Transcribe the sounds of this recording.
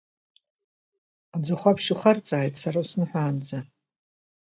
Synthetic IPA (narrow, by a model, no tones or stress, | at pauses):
ad͡zaχʷapʰʃuχart͡sʼaːjtʼsaɾausnɨħʷaːnd͡za